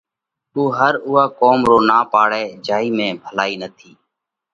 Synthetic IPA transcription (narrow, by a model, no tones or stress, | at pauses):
uːɦəɾʊːaːkoːmɾoːnaːpaːɽeːd͡ʒaːiːmẽːbʱəlaːiːnət̪ʰiː